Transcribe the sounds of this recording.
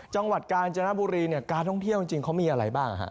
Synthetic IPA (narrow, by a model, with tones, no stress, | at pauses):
t͡ɕa˧ŋwa˨˩t̪̚kaː˧nt͡ɕa˧na˦˥buː˧ɾiː˧ni˥˩ɐkaː˧nt̪ʰɔ˥˩ŋt̪ʰi˥˩wt͡ɕi˧ŋt͡ɕi˧ŋkʰa˦˥wmiː˧ʔa˧ɾa˧jbaː˥˩ŋʔa̰˨˩ha̰˦˥ʔ